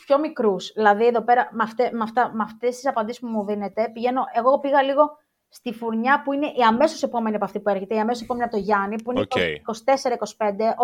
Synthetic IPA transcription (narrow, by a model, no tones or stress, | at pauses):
pço̞mikɾusðilɐðieðo̞pe̞ɾɐmɐft̪emɐft̪ɐmɐft̪est̪isɐpɐnd̪isi̥spumuðine̞t̪e̞piʝe̞no̞ʔe̞ɣopiɣɐliɣo̞ | st̪ifuɾɲɐpuine̞ʔiɐme̞so̞se̞po̞me̞niɐpɐft̪ipueɾçe̞t̪eiɐmesosepo̞meniɐp̚t̪oʝɐnipuinekiko̞si̥t̪e̞se̞ɾɐiko̞si̥pe̞nd̪e̞ʔo